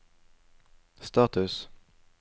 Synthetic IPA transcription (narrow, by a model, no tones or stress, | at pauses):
st̪ɑʁt̪ʉs